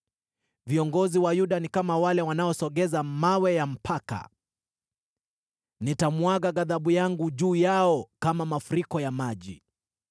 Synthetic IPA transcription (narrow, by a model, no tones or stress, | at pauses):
viɔŋɡɔziwajuɗanikamawalɛwanaɔsɔɠɛzamawɛjam̩pʰaka̰ | nitamwaɡaɡaðaɓujaŋɡuʄuːjaɔkamamafuɾikɔjamaʄḭ